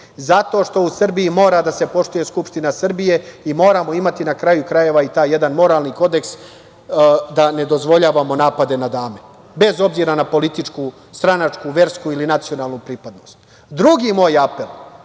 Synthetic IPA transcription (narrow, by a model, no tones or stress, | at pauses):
zat̪o̞ʃt̪o̞usr̩bijimo̞ːɾad̪ase̞po̞ʃt̪uje̞skupʂt̪inasr̩bije̞imo̞ːɾamo̞imat̪inakɾajukɾaje̞ʋait̪aːje̞d̪anmo̞ɾaːlniko̞d̪e̞ks | d̪ane̞d̪o̞zʋo̞ʎaːʋamo̞naːpad̪e̞nad̪aːme | be̞zo̞bziːɾanapo̞lit̪it͡ʃku | st̪ɾanat͡ʂkuʋe̞ɾskuilinat̪sio̞naːlnupɾipad̪nost̪ | d̪ɾuɡiːmo̞ːjape̞lˠ